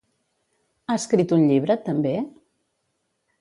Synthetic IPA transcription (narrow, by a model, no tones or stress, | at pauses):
aəskɾit̪unʎiβ̞ɾət̪əmbe